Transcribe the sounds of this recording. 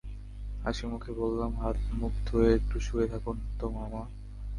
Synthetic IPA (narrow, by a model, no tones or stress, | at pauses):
a̰ʃimukʰebolːamɦat̪mukd̪ʱoet̪ɾuʃuet̪ʰakunt̪omama